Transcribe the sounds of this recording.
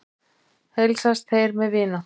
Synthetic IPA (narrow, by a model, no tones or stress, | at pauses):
hejlsast̪θejɾmɛðvɪːna